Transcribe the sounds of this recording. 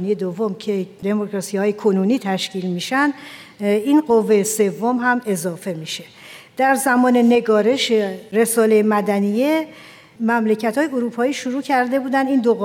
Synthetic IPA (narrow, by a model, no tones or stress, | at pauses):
nijed̪ovːomcʰe̞d̪e̞mokʰɾɒsihɒːjekʰonuːniːt̪ʰæʃciːlmiːʃænd̪ | inɢovːejese̞vːomɦæme̞zɒːfe̞miʃe̞ | d̪̥æɾzæmɒːne̞ne̞ɡɒːɾe̞ʃeɾe̞sɒːlejemæd̪ænije̞ | mæmle̞cʰæt̪hɒːjeoɾuːpʰɒːiːʃoɾuːcʰæɾd̪e̞buːd̪ænd̪iːnd̪oɣ